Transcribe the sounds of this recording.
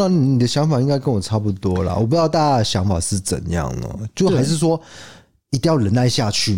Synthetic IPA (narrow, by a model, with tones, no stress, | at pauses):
ɑ˥˩ŋni˩ni˨d̪ə˦ɕjɑ˧˥ŋfa˨˩i˦˥ŋka˥ɪkə˧˦nwɔ˨˩ʈ͡ʂʰa˥˧pu˧˩t̪wɔ˦lɐ̰˨wɔ˨˩p̬u˧˥jɑ˥˧ʊt̪a˥˧ɕjɑ˧˥ŋfa̰˨˩ʂɻ̩˥˩t͡sə̰˨˩njɑ̰˥˩ŋlə̰˩t͡ɕjo˥˩ʊxa˧˥ɪʂ̬ɻ̩˥˩s̬wɔ˦˥ | i˨˧t̪i˥˧ŋjɑ˥˨˩lə˧˦na˥˧ɪɕja˥˧t͡ɕʰy˥˩